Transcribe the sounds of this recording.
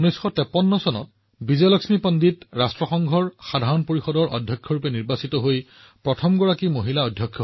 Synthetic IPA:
unɔjsxɔtɛpɔnːɔsɔnɔ̰t | bizɛlɔksmipɔnditɹastɹɔxɔŋɡʱɔɹxadʱaɹɔnpoɹixɔdɔɹʔɔ̰dʱjɔkʰːjɔɹupɛniɹbasitɔɦoj | pɹɔtʰɔmɡɔɹakimoɦilaɔdʱjɔkʰːjɔ

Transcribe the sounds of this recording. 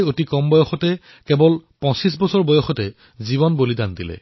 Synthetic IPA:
jotikɔmbɔjɔxɔtɛ | kɛbɔlpɔ̃sis̬bɔsɔɹbɔjɔxɔtɛ | ziβɔnbolidandilɛ̰

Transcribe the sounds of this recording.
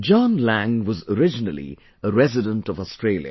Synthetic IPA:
d͡ʒɑ̃nlæ̃ŋwʌzəɾɪd͡ʒɪnəlḭ | əɾɛzɪdə̃nʈɔvɔstɹeːljə̰

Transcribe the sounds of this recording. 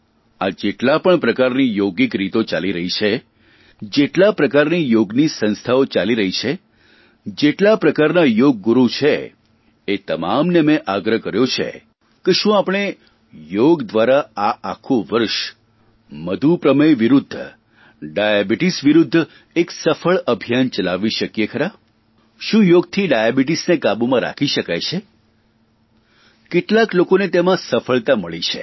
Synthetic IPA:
ad͡ʒeʈlapəɳpɾəkaɾnijoɡikɾit̪ot͡ʃaliɾəɦit͡ʃʰe | d͡ʒeʈlapɾəkaɾnijoɡnisə̃nst̪ʰaot͡ʃaliɾəɦit͡ʃʰe | d͡ʒeʈlapɾəkaɾnajoɡ̚ːuɾut͡ʃʰeː | t̪əmamnemẽʔaɡɾəɦkəɾjot͡ʃʰḛ | keʃũapɽ̃e | joɡd̪ʋaɾaaakʰũʋəɾʃ | məd̪ʱupɾəməjʋiɾud̪ʱː | ɖajabiʈisʋiɾʊd̪ʱː | eksəfəɭəbʱijant͡ʃəlaʋiʃəkjekʰəɾa | ʃũjoɡ̚t̪ʰiɖajabiʈisnekabumãɾa̰kʰiʃəkajt͡ʃʰe | kɪʈlaklokonet̪emãsəfəɭt̪aməɭit͡ʃʰḛ

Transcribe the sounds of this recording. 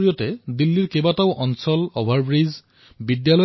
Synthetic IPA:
ɹijɔtɛdilːiɹkebataʊʔɔnsɔlɔbʱaɹbɹiz | bidjalɔ

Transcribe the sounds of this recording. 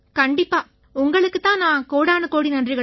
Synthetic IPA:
kɐɳɖɪpːaː | ʊŋɡɐɭɯkːɯt̪ːãːnãːkoːɽaːnɯkoːɽinɐndrɪɣɐ

